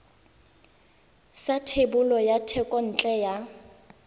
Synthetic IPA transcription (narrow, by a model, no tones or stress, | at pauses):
satʰebʊlɔjatʰɛkʼɔn̩t͡ɬʼɛja